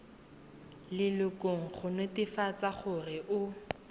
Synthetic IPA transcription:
lɪlʊkʼoŋ̩χʊnʊtɪfat͡saχʊrɪʔʊ

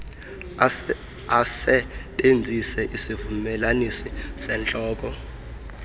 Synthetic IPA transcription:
asɛtʼend͡zʱisɛʔisivumɛlanisisɛnt͡ɬʼɔːk̬ɔ

